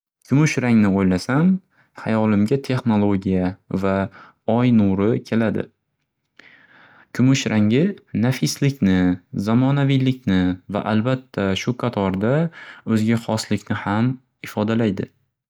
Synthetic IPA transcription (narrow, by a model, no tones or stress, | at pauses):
kʰʲʊmʊʃɾaŋnɪojlasam | hajɒlɪmɡʲat̪ʰe̞χno̞lˠoɡʲijava | ɒjnuɾɪkʲʰe̞lad̪ɪ̰ | kʲʰʊmʊʃɾʔaŋɪnafɪslɪkʲnɪzamɒnavijlɪkʲnɪva̰ʔalbat̪ʰːaʃʊqʰɑt̪ʰɒɾd̪aɵzɡʲaχɒslɪkʲnɪham | ɪfɒd̪alajd̪ɪ